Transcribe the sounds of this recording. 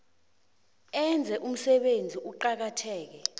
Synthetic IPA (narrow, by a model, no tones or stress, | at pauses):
ɛnd͡zʱɛʔum̩sɛɓend͡zʱiʔuǃak̬atʰɛːk̬ɛ